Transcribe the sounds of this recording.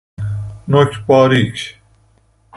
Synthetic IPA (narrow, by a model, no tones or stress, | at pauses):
noɕpaːɾikɕ